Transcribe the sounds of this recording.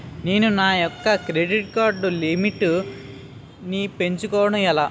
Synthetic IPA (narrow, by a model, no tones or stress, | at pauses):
ne̞ːnunaːjɔkːɐkɾeɖiʈ̚kaːɾɖulimiʈːu | nipe̞ɲt͡ʃukɔːwɐɽɐmɛlaː